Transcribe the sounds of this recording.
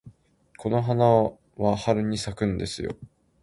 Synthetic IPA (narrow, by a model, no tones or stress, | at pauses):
kʰo̞no̞ɦana | βahaɾɯ̟ɲ̟isakɯ̟̃nd̪e̞sɨjo̞̰